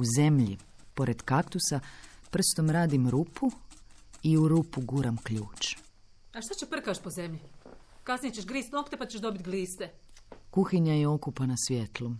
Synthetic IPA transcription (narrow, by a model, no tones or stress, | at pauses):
uze̞mʎḭ | po̞ɾe̞d̪kakt̪usapr̩st̪o̞mɾaːd̪imɾupʰu | iuɾupuɡuɾamkʎuːt͡ʃ | aʃt̪at͡ɕepr̩kaʃpo̞ze̞mʎi | kasnijet͡ɕeʃɡɾiːst̪nokt̪epat͡ɕeʃd̪o̞bit̪ɡliːst̪ekuxiɲajeo̞kupanasʋje̞t̪lˠu